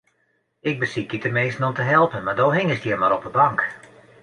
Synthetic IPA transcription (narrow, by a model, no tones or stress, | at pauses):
ɪɡ̚bəsik̚ditəmeːstn̩ɔmtəɦɛlˠpənmadoːɦɪŋɪsdjiəmaɾɔpəbaŋk